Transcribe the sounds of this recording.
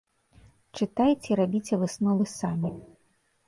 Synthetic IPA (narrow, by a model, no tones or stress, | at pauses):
t͡ʂɨt̪ajt͡sʲeɾabʲit͡sʲɛvɨsnɔlˠɨsamʲi